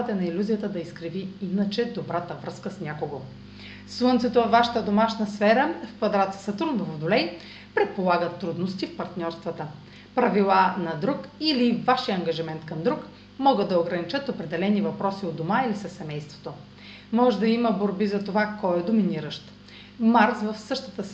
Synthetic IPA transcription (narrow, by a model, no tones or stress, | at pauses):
t̪ɛnɐilʲuzijət̪əd̪ɐiskɾiviinət͡ʃɛd̪obɾat̪əvɾɤskəsnʲakoɡo | slˠɤnt̪sɛt̪ovɐvaʃɛ̥t̪əd̪omaʃnəsfɛɾəfkvɐd̪ɾat̪sə̥sət̪ɾunvovod̪olɛj | pɾɛt̪̚polˠaɡət̪ːɾud̪nost̪ifpɐɾt̪nʲɔɾst̪vɐt̪ə | pɾɐvilˠanɐd̪ɾukilivaʃiɐŋɡɐʒimɛnt̪kɐmd̪ɾuk | mɔɡəd̪d̪ɐoɡɾɐnit͡ʃɤt̪opɾɛd̪ɛlɛnivɐpɾɔsiod̪omailisəsːɛmɛjst̪vo̥t̪o | mɔʒɛd̪ɐiməboɾbizɐt̪ovakɔɛd̪ominiɾəʃt̪ | maɾsvɐfsɤʃt̪ə̥t̪əs